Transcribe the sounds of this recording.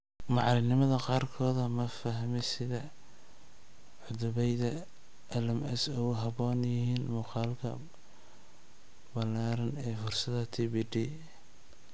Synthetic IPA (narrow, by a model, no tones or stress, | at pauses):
mɑʕlɪnɪmɐðɐqɑːrkʰɔːðɐmɐfɐɦmɪsɪðɐ | ʕʊðʊβɛjðɐ | ʔɐlɐmɛsɔwɦɑβɔːnjɪhiːnmuːqɑːlkʰɐ̰ | bɐlaːɾɐnɛːfʊrsɐðɐt̪ʰibiɖi